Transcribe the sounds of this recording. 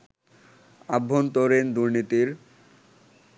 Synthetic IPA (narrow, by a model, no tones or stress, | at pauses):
abʱːont̪oɾend̪uɾnit̪iɾ